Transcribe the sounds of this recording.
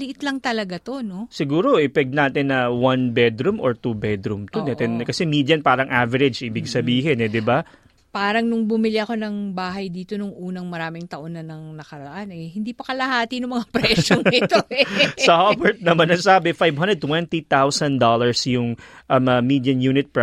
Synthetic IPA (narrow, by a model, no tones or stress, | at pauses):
lɪʔɪt̪lɐŋt̪ɐlɐɡat̪o̞no̞sɪɡuːɾo̞ʔɪpɛk̪̚naːt̪ɪnːɐwɐnbɛd̪ɾumoɹt̪ubɛd̪ɾumt̪od̪ɐt̪ɛnkɐsɛmiːd̪jɐnpaːɾɐŋʔavɛɾɛd͡ʒʔɪbɪɡsɐbiːɦɪnɛd̪ɪba | paːɾɐŋnʊŋbʊmɪlɪʔɐko̞nɐŋbaːɦɐjd̪iːt̪o̞nʊŋʔuːnɐŋmɐɾaːmɪŋt̪ɐʔonɐnɐŋnɐkɐɾɐʔanɛjhɪnd̪iːpɐkɐlɐhaːt̪inʊŋmɐŋapɾɛʃoŋɪt̪osɐhobɛɹt̪̚nɐmanɐŋsaːbɪfajvhɐ̃nd̪ɛd̪̚t̪wɛnt̪it̪awsɐnd̪olɐɹsjʊŋʔɐmɐmid̪jɐnjuːnɪt̪̚p